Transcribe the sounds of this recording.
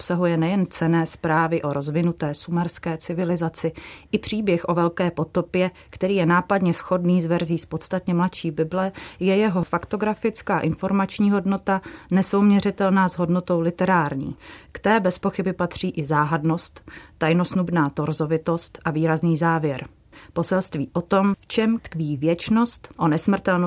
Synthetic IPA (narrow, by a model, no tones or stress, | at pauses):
ʔopsaɦujɛnɛjɛnt͡sɛnɛːspɾaːvɪʔo̞ɾo̞zvɪnut̪ɛːsumɛɾskɛːt͡sɪvɪlɪzat͡sɪʔɪpr̝̥iːbjɛxʔo̞vɛlkɛːpo̞t̪o̞pjɛ | kt̪ɛɾiːjɛnaːpadɲɛsxo̞dniːzvɛɾziːspo̞t̪st̪at̪ɲɛmlat̪ʃiːbɪblɛjɛjɛɦo̞fakt̪o̞ɡɾafɪt͡skaːʔɪnfo̞ɾmat͡ʃɲiːɦo̞dno̞t̪anɛso̞wmɲɛrɪt̪ɛlnaːzɦo̞dno̞t̪o̞wlɪt̪ɛɾaːɾɲḭːkt̪ɛɛːbɛspo̞xɪbɪpat̪r̝̥iːʔɪzaːɦadno̞st̪ːajno̞snubnaːt̪o̞ɾzo̞vɪt̪o̞st̪ʔaviːɾazniːzaːvjɛɾ | po̞sɛlst̪viːʔo̞t̪o̞mft͡ʃɛmt̪kviːvjɛt͡ʃno̞st̪ʔo̞nɛsmr̩t̪ɛln